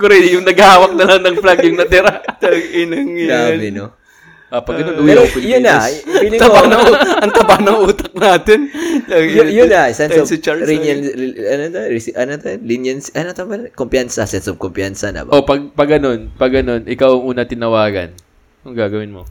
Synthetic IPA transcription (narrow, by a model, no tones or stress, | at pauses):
koɾɛjʊŋnɐɡhaːwɐk̚nɐlaŋnɐŋplaɡjʊŋnɐt̪ɪɾaɐŋɪnɐŋɡamɪno | ʔɐpɐɡɡɐnonʔuːɛopɪljʊnːɐinɐŋt̪ɐbanɐŋʔɐŋt̪ɐbaːnɐŋʔuːt̪ɐk̚naːt̪ɪnɐjʊnːɐsɛnsit͡ʃaɾinjɐnɐnot̪ɐɾɪʔɐnot̪ɐlinjɐnsʔɐnot̪ɐmɐnkompjansɐsɛnsob̚kompjansɐnɐ̰baʔopɐɡ̚pɐɡɐno̞npɐɡːɐno̞nʔɪkawɐŋʔuːnɐt̪ɪnɐwaːɡɐ̰n | ʊŋɡaːɡɐwɪnmo